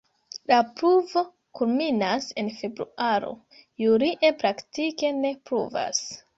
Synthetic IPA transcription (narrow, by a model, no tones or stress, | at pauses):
lapɾuvo̞ | kulminase̞nfe̞bɾṵʔaɾo̞̰ | juɾiʔe̞pɾaktike̞ne̞pɾṵva̰s